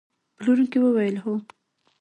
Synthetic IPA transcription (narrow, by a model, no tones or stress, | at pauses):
pəluɾukewəwajəlɦo